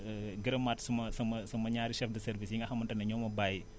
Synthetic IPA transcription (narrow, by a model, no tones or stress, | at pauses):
ɡəɾɐmːatsumɐsɐmɐsɐmɐɲaːɾiʃɛfdɐsɛɾvisjiŋɡɐxɐmɐntɐnɐɲɔːmɐbaji